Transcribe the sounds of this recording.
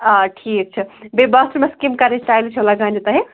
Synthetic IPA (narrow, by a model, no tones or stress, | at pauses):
aʈʰik̚t͡ʃʰibebəsɾmeskimkaɾesʈajlt͡ʃʰolaɡãnd͡ʒet̪aɦe